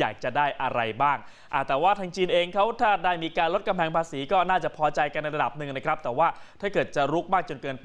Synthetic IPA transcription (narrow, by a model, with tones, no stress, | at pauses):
ja̰ː˨˩k̚t͡ɕa˨˩daː˥˩jʔa˧ɾa˧jbaː˥˩ŋ | ʔa˨˩t̪ɛː˨˩waː˥˩t̪ʰaː˧ŋt͡ɕiː˧nʔeː˧ŋkʰa˦˥wt̪ʰaː˥˩daː˥˩jmiː˧kaː˧nlo˦˥t̪̚ka˧mpʰɛː˧ŋpʰaː˧siː˩˦kɔː˥˩naː˥˩t͡ɕa˨˩pʰɔː˧t͡ɕa˧jka˧nːa˧jɾa˧da˨˩p̚nɯ˨ŋna˦˥kʰɾa˦˥p̚t̪ɛː˨˩waː˥˩t̪ʰaː˥˩kɤː˨˩t̪̚t͡ɕa˨˩ɾu˦˥k̚maː˥˩k̚t͡ɕo˧nkɤː˧n